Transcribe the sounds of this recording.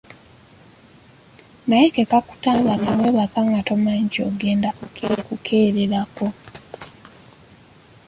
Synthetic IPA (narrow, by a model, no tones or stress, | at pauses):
najekekaku̥taːβaβamweːβakaŋɡato̞maɲɟio̰ɡe̞ːndakukukʰeːɾeɾako̞